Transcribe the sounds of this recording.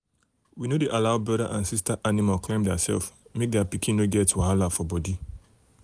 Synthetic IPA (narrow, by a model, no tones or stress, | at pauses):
winodeʔalaʊbɹɔɾaʔãnsistaʔanimalklẽmdɛasɛ̰lfmek̚dɛapikʰĩnoɡɛtwaɦalafɔbɔdi